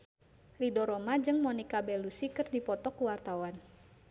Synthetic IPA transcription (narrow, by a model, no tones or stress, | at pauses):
lidɔɾɔmad͡ʒɨŋmɔnikabɛlusikɨrdipɔt̪ɔkuwart̪awan